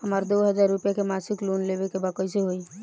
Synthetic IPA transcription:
ɦəmaɾd̪oɦəd͡ʒaɾːupjakemasiklonlebekebakəjseɦoi

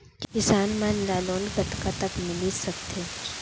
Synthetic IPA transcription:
kkɪsaːnmãnlaːloːnɡɐt̪kat̪ɐkmɪlisɐk̚t̪ʰe

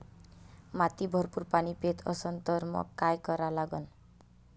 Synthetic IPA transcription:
mat̪ibʱʌrpurpanipet̪ʰʌ̰sʌnt̪ʌɾmʌ̰kajkʌɾalaɡʌn

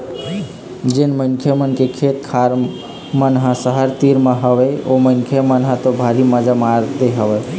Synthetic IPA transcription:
d͡ʒenməŋkʰjəmənkekʰet̪kʰaɾ | mənɦãsəɦəɾt̪iɾmeɦəbɛoməŋkʰjemənɦãt̪obʱaɾiməd͡ʒamaɾt̪eɦəbɛ

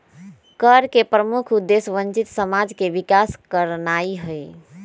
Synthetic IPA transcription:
kəɾkepɾəmukʰud̪ːesʋənt͡ʃit̪səmad͡ʒkeʋikaskəɾnaiɦəj

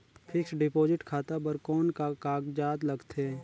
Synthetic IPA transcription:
pʰɪksɖɪpoːd͡ʒɪʈkʰaːt̪abəɾkɔːnkakaːɡd͡ʒaːd̪lɐɡt̪ʰeː

